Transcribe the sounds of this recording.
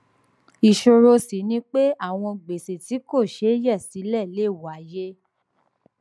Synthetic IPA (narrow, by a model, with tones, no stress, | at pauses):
i˨ʃo˨ɾo˧si˨˦nĩ˦k͡pe˦a˦˨w̃ɔ̃˧ɡ͡be˨se˨ti˨˦ko˦˨ʃe˨˦jɛ˦˨si˨˦lɛ˦˨le˦˨wa˨˦je˦